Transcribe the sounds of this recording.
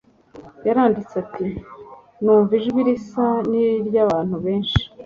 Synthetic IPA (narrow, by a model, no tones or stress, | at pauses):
jaɾaːndit͡sati | nuːɱviʒɡwiɾisaniɾɟaβaːn̥huβe̞ːnʃi̥